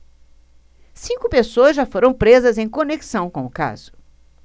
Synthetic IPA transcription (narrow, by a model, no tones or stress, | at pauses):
sĩkʊpesoɐzʒafoɾɐ̃w̃pɾezɐzẽj̃koneksɐ̃w̃kõʊka̰z̥ʊ̥